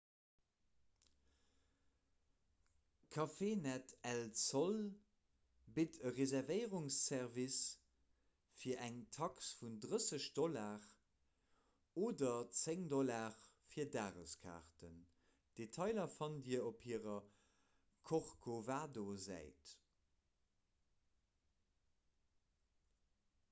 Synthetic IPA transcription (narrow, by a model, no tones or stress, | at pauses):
kʰɑfeːnætʰɛlt͡sol | bitəʁezɛʁvəɪʁuŋsːɛʁvis | fiːɐʔæŋtʰɑksfundʁəsəɕd̥ɔlaːʁ | oːdɐt͡seŋdɔlaːʁ | fiːɐdaːʁəskʰa̰ːʁtən | d̥etʰɑɪlɐfɑndiːɐopʰhiːʁɐ | kʰoʁkʰovaːdozæ̰ɪt